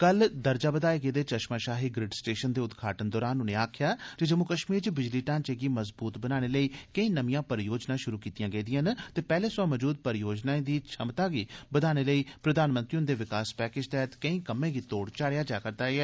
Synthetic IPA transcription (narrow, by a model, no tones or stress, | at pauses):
kəld̪əɾd͡ʒaːbəd̪aːeɡeːd̪eːt͡ʃəʃmaːʃaːɦiːɡɾɪɖsʈeːʃənd̪eːʊd̪ɡʰʱaːʈənd̪ɔːɾaːnʊneːaːkʰɪjaːd͡ʒed͡ʒəmʊkəʃmiːɾt͡ʃəbɪd͡ʒliːʈãːnt͡ʃeːɡiːməzbuːt̪bənaːñeːləiːkəĩːnəʋĩjãːpəɾjoːd͡ʒnãːʃʊɾuːkiːt̪ijãːɡəiːd̪ɪjãːnt̪eːpɛːleːsãːməd͡ʒuːd̪̚pəɾjoːd͡ʒnãːd̪iːt͡ʃʰəmt̪aːɡiːbəd̪aːñeːləiːpɾəd̪aːnmə̃nt̪ɾiːʊnd̪eːʋɪkaːspɛːkeːd͡ʒt̪ɛːt̪kəĩːkəmːẽːɡiːt̪oːɽt͡ʃaːɽejaːd͡ʒaːkəɾd̪aːeɛː